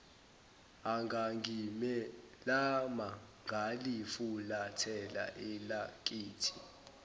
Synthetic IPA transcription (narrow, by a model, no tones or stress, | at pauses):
aŋʱaŋɡʱimɛ | lama | ŋɡʱalifulatʰɛla̰ʔɛlakʼiːtʰi̥